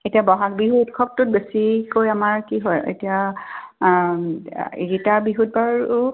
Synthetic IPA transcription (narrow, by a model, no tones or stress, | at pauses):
etiabɔɦak̚biɦuetkʰɔk̚tʊt̚besikojamaɹkiɦɔjḛtija | ḭɹitabiɦut̚baɹʊ